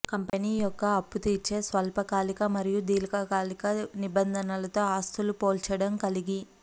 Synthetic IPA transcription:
kɐmpɐniːjɔkːɐːpːut̪iːɾt͡ʃe̞ːsʋɐlpɐkaːlikɐmɐɾijud̪iːlɐkɐkaːlikɐnibɐnd̪ʱɐnɐlɐt̪o̞ːaːst̪ʰulupoːlt͡ʃɐɽɐmkɐliɡi

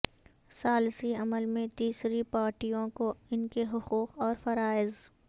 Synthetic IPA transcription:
saːlsiɐməlmẽt̪iːsɾipaːɾʈijõkoɪnkeɦʊquːqɔːɾfɐɾaːɪz

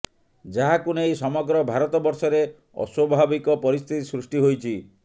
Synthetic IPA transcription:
d͡ʒaɦakunejsɔmɔɡɾɔbʱaɾɔt̪ɔbɔɾsɔɾe | ɔ̰swɔbʱabikɔpɔɾist̪ʰit̪isɾusʈiɦojt͡ʃʰi

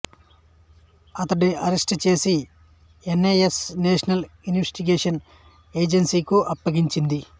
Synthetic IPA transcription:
ɐt̪ɐɖiɐɾesʈt͡ʃe̞ːsi | enːejesneːʂɐnɐlunʋesʈiɡeːʂɐn | eːd͡ʒensiːkuʔɐpːɐɡiɲt͡ʃind̪i

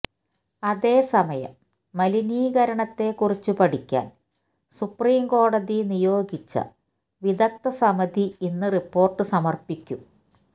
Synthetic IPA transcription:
ɐðe̞ːsɐmɐjɐ̰mː | ɐliniːɡɐɾɐɳɐt̪ːe̞kurit͡ɕːupɐɽikʲːa̰ːn | supriːmko̞ːɽɐðinijo̞ːɡit͡ɕːɐ̰ | ʋid̪ɐk̚t̪ɐsɐmɐd̪iinːɨripːo̞ːrʈːɨsɐmɐrpikʲːu

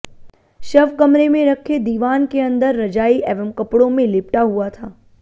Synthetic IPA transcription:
ʃɐʋkəmɾemẽɾəkʰed̪iːʋaːnkeə̃nd̪əɾːɐd͡ʒaːiʔɛːʋəmkəpɽõmẽlɪpʈaɦuat̪ʰaː

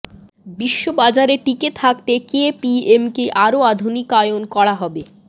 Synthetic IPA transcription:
biʃːobad͡ʑaɾeʈiket̪ʰak̚t̪ekepiemkeʔaɾoad̪ʱunikaeonkɔɽaɦɔbe

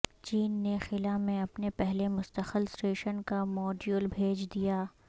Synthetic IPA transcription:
t͡ʃiːnːexɪlamẽɐpnepɛɦlemʊst̪əxəlsʈeːʃənkamɔːɖjulbʱeːd͡ʒd̪ijaː

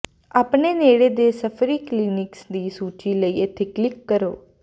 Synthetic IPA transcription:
aːpɳeneɽed̪esəfɾiːklinɪksd̪iːsuːt͡ʃiləiet̪ʰeklɪkːəɾoː

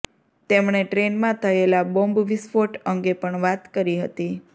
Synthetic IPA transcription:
t̪emɳeʈɾenmãt̪ʰəelabõmbʋisfoʈəŋɡepəɳʋat̪kəɾiɦət̪i

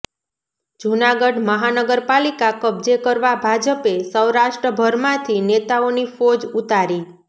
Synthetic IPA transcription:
d͡ʒunaɡəɖməɦanəɡəɾpalikakəb̚d͡ʒekəɾʋabʱad͡ʒəpesəwɾaʃʈɾəbʱəɾmãt̪ʰinet̪aonifod͡ʒut̪aɾi

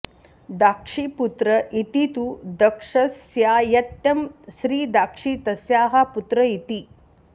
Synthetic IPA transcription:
d̪aːkʂiput̪ɾɐʔit̪it̪ud̪ɐkʂɐsjaːjɐt̪jɐmʃɾiːd̪aːkʂit̪ɐsjaːɦɐput̪ɾɐit̪i

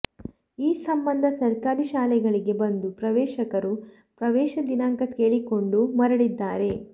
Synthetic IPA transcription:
iːsɐmbɐnd̪ʱɐsɐɾkaːɾiʃaːlɛɡɐɭiɡe̞bɐnd̪upɾɐʋɛːʃɐkɐɾu | pɾɐʋɛːʃɐd̪inaːŋkɐt̪keːɭiko̞ɳɖumɐɾɐɽid̪ːaːɾe̞

